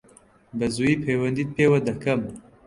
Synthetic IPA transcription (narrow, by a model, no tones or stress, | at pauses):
bɐzuːjiːpʰeːwɐnd̪iːt̪̚pʰeːwɐd̪ɐkɐm